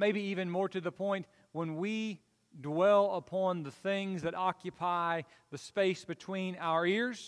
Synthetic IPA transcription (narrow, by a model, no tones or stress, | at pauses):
meɪbiivɨ̃nmɔɹɾɨðəpʰɔ̃ɪ̃nʔ | wə̃nwi | dwɛlˠəpʰɑ̃nðɨθɪ̃ŋzðɨɾɑkjɨpʰaɪ | ðɨspeɪsb̥ɨtʰw̥ĩnaʊə˞ɪɹz̥